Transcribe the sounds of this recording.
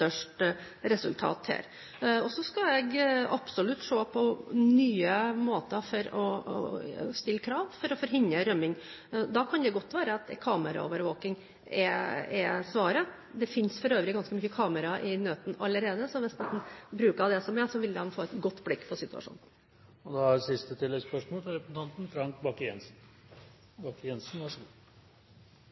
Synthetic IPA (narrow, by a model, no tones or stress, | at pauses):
t̪œʂʈ | ɾɛsʉ̰lt̪ʰɑ̰ːt̪hæ̰ːɾ | ɔsɔskɑjɛɡɑpsɔlʉt̪ːʂoːpʰɔnyːəmoːt̪əfɔɾɔ | st̪ɪlːəkʰɾɑːʋfɔɾɔfɔɾɦɪnəɾœmːɪŋ | d̪ɑkʰɑnd̪ɛɡɔt̪ːʋæːɾəɑt̪kʰɑːməɾɑ̰o̰ːʋəɾʋoːkɪŋ | ɛɛsʋɑːɾə | d̪ɛfɪnsfɔɾøːʋɾɪɡɑnskəmyçəkʰɑːməɾɑʔɪnøːt̪n̩ɑlːəɾeːd̪əsɔʋɛst̪ɛt̪n̩bɾʉːkɑd̪ɛsɔmɛsɔʋɪld̪ɛmfoːɛt̪ɡɔt̪ːblɪkːpʰɔsɪt̪ʉɑ̰ʂṵːnn | ɔd̪ɛɑɾsɪst̪ət̪ʰɪlːɛɡspœʂmɔːlfɔɾɛpn̩t̪ɑnt̪n̩t̪ʰɾɑŋkbɑkjɛnsn̩ | bɑkːjɛnsn̩ʋɑʂ